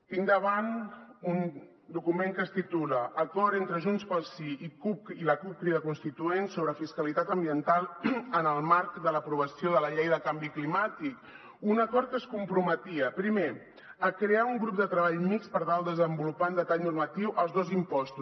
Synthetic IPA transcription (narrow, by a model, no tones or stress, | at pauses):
t̪iŋd̪əβanun | d̪ukumeŋkəst̪it̪uləʔːkɔɾent̪ɾəʒunspəlˠsiikup̚kiləkup̚kɾiðəkunst̪it̪uensoβɾəfiskəlit̪at̪əmbiənt̪alˠənəlˠmaɾkd̪ələpɾuβ̞əsioðələʎejðəkambiklimat̪ik | unəkɔɾt̪̚kəskumpɾumət̪iəpɾime | əkɾeauŋɡɾupd̪ət̪ɾəβaʎmikspəɾt̪alˠd̪əzəmbulupaund̪ət̪aʎnurmət̪iwʔəlˠzðozimpɔst̪u